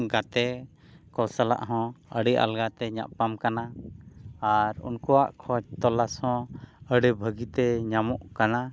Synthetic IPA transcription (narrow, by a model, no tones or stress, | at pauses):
ɡat̪ɛ | kɔlsala̰ʔɦɔ̃ə̰ɽɛʔa̰lɡat̪ɛɲa̰ʔpamkana | aɾṵnkɔwa̰ʔkʰɔd͡ʒ̚t̪ɔlashɔ̃əɽɛbʱəɡit̪ɛɲamɔʔkana